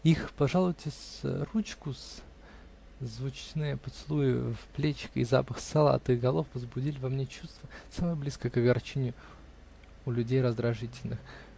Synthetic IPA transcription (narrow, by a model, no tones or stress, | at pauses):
ixpɐʐalˠʊtʲɪsrut͡ɕkʊs | zvʊt͡ɕnɨjəpət̪sɨlˠujʊfplʲet͡ɕɪ̥kḭza̰pəxsɐlˠa̰t̪ɨxɡɐlˠofvəzbʊdʲilʲɪvɐmnʲet͡ɕust̪vəsamɨjəblʲiskəkəɡɐrt͡ɕenʲɪjʊ | ʊlʲʉdʲejɾəzd̪ɾɐʐɨtʲɪlʲnɨx